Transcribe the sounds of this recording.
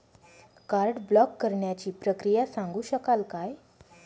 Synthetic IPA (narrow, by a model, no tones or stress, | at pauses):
kaɾɖblɔkːəɾɳjat͡ɕiːpɾəkɾijasãŋɡuːɕəkalkaj